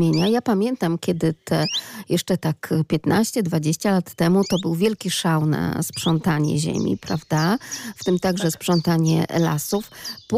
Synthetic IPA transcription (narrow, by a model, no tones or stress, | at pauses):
eɲajapamʲjɛnt̪amkʲɛd̪ɘt̪ʰɛjɛʂt͡ʂɛt̪akpʲjɛt̪naɕt͡ɕɛd̪vad͡ʑeɕt͡ɕalat̪ːɛmut̪ɔbɘwvʲjɛlkʲiʂawna̰spʂɔnt̪aɲɛ̰ʑḛmʲḭpɾavd̪aft̪ɘmt̪aɡʐɛspʂɔnt̪aɲɛ̰la̰sufp